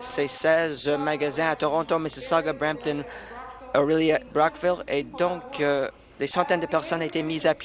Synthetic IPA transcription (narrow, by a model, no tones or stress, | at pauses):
sesɛzmaɡazɛ̃at̪ɔʁɑ̃t̪oməsəsaɡabʁɛ̃m̚t̪ɔn | ɔʁiljabʁakviled̪ɔ̃k | d̪esɑ̃t̪ɛnd̪əpɛʁsɔnet̪emizap